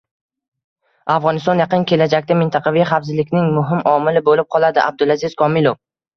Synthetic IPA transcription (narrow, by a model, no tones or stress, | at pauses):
afʁɒnɪst̪ɒnjaqɨnkʲe̞lad͡ʒakʲt̪amɪnt̪ʰɑqʰɑvijχafzɪlɪkʲnɪŋmʊɦɪmʔɒmɪlɪbolɪp̚qʰɒlˠad̪ɪʔa̰b̚d̪ʊlˠazɪz̥kʰɒmɪlˠof